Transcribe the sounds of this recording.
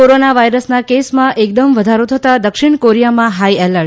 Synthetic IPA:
oɾonaʋajɾəsnakesmãʔek̚d̪əmʋəd̪ʱaɾot̪ʰət̪ad̪əkʃɪɳkoɾijamãɦaiɛləɾ

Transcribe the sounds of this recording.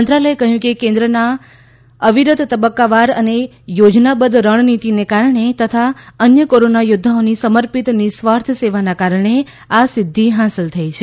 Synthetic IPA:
ənt̪ɾaləekəɦjũkekẽnd̪ɾəna | əʋiɾʊd̪t̪əbəkːaʋaɾəne | jod͡ʒnabəd̪ʱɾəɳ̃nit̪inekaɾɳet̪ət̪ʰaənjəkoɾonajʊd̪ʱːaonisəməɾpit̪nisʋaɾt̪ʰəseʋanakaɾɳe | asɪd̪ʱːiɦãsəlt̪ʰəit͡ʃʰe

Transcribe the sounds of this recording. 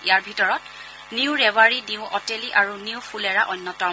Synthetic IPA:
ijaɹbʱitɔɹɔt | niʊɹɛwaɹiniʊ̃ʔɔteliʔaɹuniʊpʰulɛɹaʔɔnːɔtɔ

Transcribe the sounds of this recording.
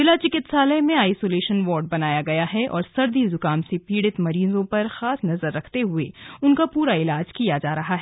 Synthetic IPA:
zɪlat͡ʃɪkɪt̪saːləmẽaːjsoːleːʃənʋɔːɾɖ̚bɐnaːjaɡɐjaɦɛʔɔ̰ːɾsɐɾd̪izʊkaːmsepiːɽɪt̪mɐɾiːzõpɐɾxaːsnɐzəɾːɐkʰt̪eɦʊḛʊnkapuːɾaɪlaːd͡ʒkijad͡ʒaːɾɐɦaɦɛː

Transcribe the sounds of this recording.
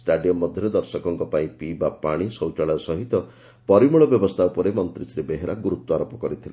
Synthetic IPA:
sʈaɖijɔmːɔd̪ʱjɔɾɔd̪ɔɾsɔkɔŋkɔpaĩpibapaɽ̃isɔwt͡ʃaɭɔjɔsɔɦit̪ɔ | pɔɾimuɭɔbjɔbɔst̪ʰaupɔɾemɔnt̪ɾisɾebeɦeɾaɡuɾut̪ːwɔaɾopɔkɔɾit̪ʰila

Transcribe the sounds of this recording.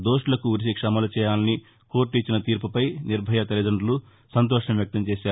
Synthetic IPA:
d̪o̞ːʂlɐkuːɾis̬ikʂɐmɐlut͡ʃɛːjaːlɐni | koːɾʈit͡ʃːinɐt̪iːɾpupɐjniɾbʱɐjɐt̪ɐlid͡ʒɐɳɖlu | sɐnt̪̬ɔːʂɐmʋjɐk̚t̪ɐmt͡ʃɛːʃaː

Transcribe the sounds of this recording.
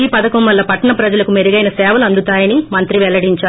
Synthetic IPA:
iːpɐd̪ɐkɐmʋɐlːɐpɐʈːɐɳɐpɾɐd͡ʒɐlɐkumeɾiɡɐjnɐsɛːʋɐluɐnd̪ut̪aːjɐnimɐnt̪ɾiʋɛlːɐɽiɲt͡ʃaː

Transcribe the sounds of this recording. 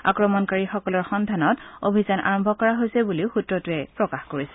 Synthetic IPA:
a̰kɹɔmɔnkaɹixɔkɔlɔɹxɔndʱanɔto̰bʱizanʔa̰ɹɔmbʱɔkɔɹaɦojsɛbuliʊxutɹɔtʊɛpɹɔkaxkoɹisɛ̥

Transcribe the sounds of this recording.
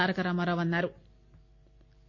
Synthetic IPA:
aːɾɐkɐɾɐmɐɾɐʋɐnːaːɾu

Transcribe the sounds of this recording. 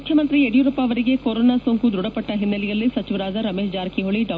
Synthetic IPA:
kʰjɐmɐnt̪ɾieɽijuɾupːaːʋɐɾiɡekoːɾoːnaːsoːŋkud̪ɾuɽɐpɐʈːɐɦinːɐlijɐlːisɐt͡ʃiʋɐɾaːd͡ʒɐɾɐmeːʃd͡ʒaːɾkiɦoɭiɖɐ

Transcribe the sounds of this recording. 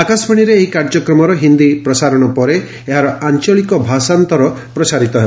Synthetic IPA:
akasbʰaɽ̃iɾeːɦikaɾd͡ʒɔkɾɔmɔɾɔɦind̪ipɾɔsaɾɔɽ̃ɔpɔɾe | eɦaɾɔant͡ʃɔɭikɔbʱasant̪ɔɾɔpɾɔsaɾit̪ɔɦe

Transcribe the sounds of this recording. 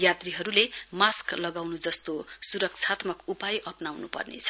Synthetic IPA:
jat̪riɦʌɾulemasklʌɡawnud͡zʌst̪osuɾʌk̚t͡sʰat̪mʌkupajʔʌpnawnupʌ̰rnḛt͡sʰʌ̥

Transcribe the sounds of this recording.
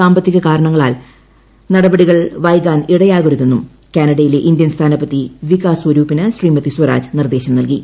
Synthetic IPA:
aːmbɐt̪ːiɣɐkaːɾɐɳɐŋːɐɭaːl | nɐɽɐbɐɽiɣɐɭʋɐjkaːniɽɐjaːɣuɾuðenːum | kʲaːnɐɽɐjile̞ʔind̪jɐnst̪ʰaːnɐpːɐt̪ːiʋikaːswɐɾuːpinɨsriːmɐt̪ːiswɐɾa̰ːd͡ʑɨnird̪e̞ːɕɐmnɐlki

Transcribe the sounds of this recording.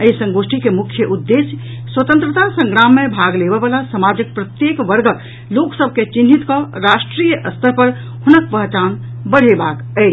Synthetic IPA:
əisə̃ŋɡosʈʰikemukʰjəʔud̪ːesj | swət̪ə̃nt̪ɾət̪asə̃ŋɡɾamːebʱaɡlebɛbalasəmad͡ʒək̚pɾət̪jekʋəɾɡək | loksəb̚ʱket͡ʃinːit̪kɔɾasʈɾijəʔəst̪ʰəpəɾ | hunək̚pəɦt͡ʃan | bəɽ̤ebak | ət͡ʃ

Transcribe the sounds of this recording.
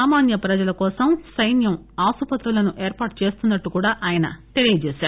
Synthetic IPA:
aːmaːnjɐpɾɐd͡ʒɐlɐkɔːsɐmsɐjnjɐm | aːsupɐt̪ɾulɐnuʔeːɾpaːʈ̚t͡ʃe̞ːst̪unːɐʈːukuːɽaːʔaːjɐnɐ̰t̪e̞lijɐt͡ʃeːsaːɾu

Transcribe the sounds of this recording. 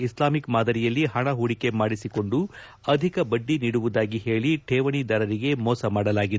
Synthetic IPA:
islaːmikmaːd̪ɐɾijɐlːiɦɐɳɐɦuːɽike̞maːɽisiko̞ɳɖu | ɐd̪ʱikɐbɐɖːiniːɽuʋud̪aːɡiɦe̞ːɭiʈʰeːʋɐɳid̪ɐɾɐɾiɡe̞moːsɐmaːɽɐlaːɡid̪

